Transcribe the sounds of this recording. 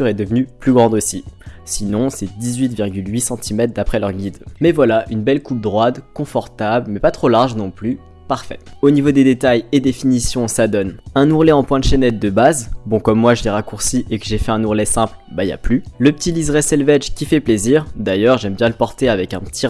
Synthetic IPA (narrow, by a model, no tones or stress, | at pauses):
t̪yʁɛd̪əvnyplyɡʁɑ̃d̪osisinɔ̃sɛd̪izɥit̪viʁɡʲylɥisɑ̃t̪ʰimɛt̪χd̪apχɛlœʁɡʲid̪mɛvwalaʔynbɛlkup̚d̪ʁwad̪kɔ̃fɔʁt̪ablmɛpat̪χolaʁʒnɔ̃ply | paʁfɛonivod̪ed̪et̪ajed̪efinisjɔ̃sad̪ɔnɛ̃nuʁlɛɑ̃pwɛ̃d̪əʃɛnɛt̪̚d̪əbazbɔ̃kɔmːwaʒəleʁakuʁsiʔekəʒefɛɛ̃nuʁlɛsɛ̃plbaija̰plyləpə̥t̪ʰilizʁɛsɛlvɛt͡ʃkʲifɛpleziːʁd̪ajœʁʒɛmbjɛ̃ləpɔʁt̪eavɛkɛ̃pət̪ʰi